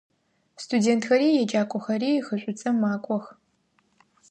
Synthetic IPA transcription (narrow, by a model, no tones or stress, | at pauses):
stʰudeːntʰxɐɾiːjɛd͡ʒaːkʷʼɔxɐriːxəɕʷʼʊt͡sʼɐmːaːkʷʼɔx